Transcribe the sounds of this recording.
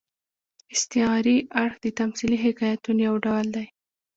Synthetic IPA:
ɪst̪ɪɑɾiaɽxd̪ət̪amsiliɦɪkɑjat̪unjawɖawld̪aj

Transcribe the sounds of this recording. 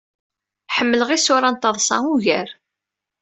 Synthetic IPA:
ħəmːələʁisʊɾɑnt̪ːɑðˤsˤɑ̰uʝəɾ

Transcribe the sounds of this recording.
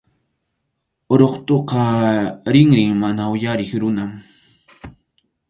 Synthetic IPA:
oɾoχt̪oqɑɾɪŋɾɪŋmanaʊjaɾɪχɾʊnam

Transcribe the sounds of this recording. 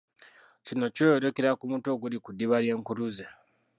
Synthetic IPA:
t͡ʃino̞t͡ʃojoɾokeɾakumuːnto̞ɡulikudiβaɾje̞ːŋkuɾuze

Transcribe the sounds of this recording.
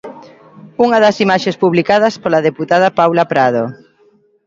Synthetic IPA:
uŋaðɐsimaʃespuβlikað̞aspolaðeput̪að̞apawlapɾað̞o

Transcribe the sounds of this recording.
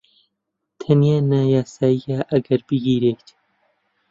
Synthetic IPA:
t̪ʰɐnijaːnaːjaːsaːijaːʔɐɡɐɾbiɡiːɾeːt̪

